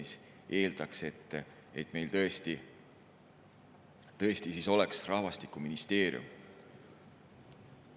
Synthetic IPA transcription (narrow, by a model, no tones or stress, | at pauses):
is | ʔe̞ːld̪̥ɑkse̞t̪ː | et̪me̞jlt̪ɤest̪i | t̪ɤe̞st̪isiso̞le̞ksrɑhvɑst̪ikuminist̪e̞ːɾjṵm